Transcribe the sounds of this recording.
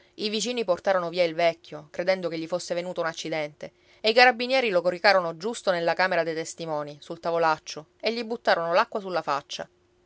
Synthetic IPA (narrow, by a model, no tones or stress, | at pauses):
ivit͡ʃiːniport̪aːɾonoviːailvɛkʲːjokɾed̪ɛnd̪okeʎːifosːevenuːt̪ounat͡ʃːid̪ɛnt̪e | eikaɾabːinjɛːɾilokorikaːɾonod͡ʒust̪onelːakaːmeɾad̪ejt̪est̪imɔːnisult̪avolat͡ʃːo | eʎːibut̪ːaːɾonolakːwasulːafat͡ʃːa̰